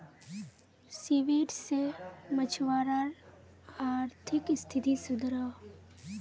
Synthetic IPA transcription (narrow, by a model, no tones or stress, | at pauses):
siʋiːʈsemət͡ʃʰʋaːɾaɾ | aːɾt̪ʰɪkst̪ʰɪt̪isʊd̪ʱɾa